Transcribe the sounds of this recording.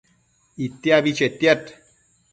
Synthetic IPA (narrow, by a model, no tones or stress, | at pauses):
it̪jabit͡ʃet̪jat̪